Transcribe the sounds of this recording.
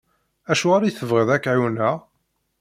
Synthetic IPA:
æʃuʁaɾajθəvʁəðækːʕiwnæ

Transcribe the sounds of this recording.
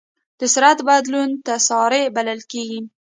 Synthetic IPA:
d̪̥ɪsɾat̪bad̪lunt̪asɑɾebalalkʲeɡim

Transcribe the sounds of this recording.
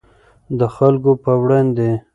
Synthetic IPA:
d̪əxalkopəwɽɑnd̪e

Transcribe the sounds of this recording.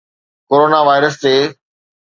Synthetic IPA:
koːɾoːnaʋaːɪɾəst̪eː

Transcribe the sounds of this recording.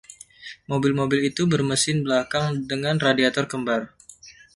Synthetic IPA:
mobɪlmobɪlit̪ubərməsɪnbəlakaŋdəŋanradiat̪ɔrkəmbar

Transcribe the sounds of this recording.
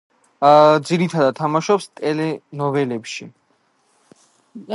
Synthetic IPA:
d̪ziɾit̪ʰad̪ad̪̚t̪ʰːamaʃɔpst̪ʼɛlɛnɔvɛlɛpʃi

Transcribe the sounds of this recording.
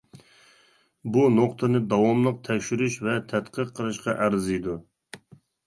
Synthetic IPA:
bunoqt̪ʰənɨd̪ɑwɑmlˠəq̚t̪ʰɛkʲʃyɾyʃvɛt̪ʰæt̪qʰəqʰːəlˠɨʃqɑʔæɾzijd̪u

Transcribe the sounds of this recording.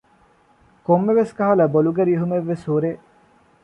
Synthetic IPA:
komːeʋeskaɦɐlɐboluɡeɾieɦumeʋːeshuɾe

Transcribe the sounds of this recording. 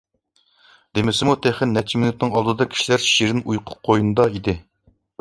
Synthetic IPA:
d̪emɪsɪmut̪ʰeχɪnːɛt͡ʃʰimɪnut̪nɨŋɑlˠd̪ɨd̪ɑkʲʰi̥ʃilæɾʃiɾɪnʔujqʰʊ̥p̚qʰːojunɨd̪ɑid̪ɪ

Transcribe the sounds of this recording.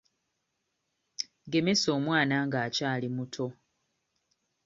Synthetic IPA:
ɡe̞me̞so̞ːmwaːnaːŋɡaːcaːlimutʰo̞

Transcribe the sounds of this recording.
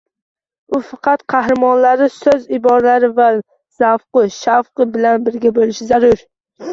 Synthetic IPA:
ʊfɑqʰɑt̪qʰɑhɾɪmɒnlaɾɪsɵzɪbɒɾalaɾɪva | z̥afqɨʃafqɨbɪlanbɪɾɡʲabolɪʃɪzaɾʊɾ

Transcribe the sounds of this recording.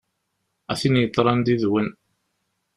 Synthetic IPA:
æθinjət̪ˤːɾˤɑnd̪iðwən

